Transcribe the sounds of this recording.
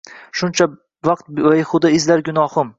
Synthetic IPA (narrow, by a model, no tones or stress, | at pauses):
ʃʊnt͡ʃʰa | vɑq̚t̪̚bajχʊd̪aɪzlaɾɡʲʊnɒhʊm